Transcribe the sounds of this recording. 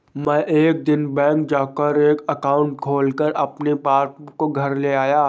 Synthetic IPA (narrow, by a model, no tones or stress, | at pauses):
mɛ̃ʔeːk̚d̪ɪnbɛ̃ːk̚d͡ʒaːkəɾeːkɐkaːʊ̃ɳʈ̚kʰoːlkəɾɐpnepaːpkoɡʱɐɾleaːjaː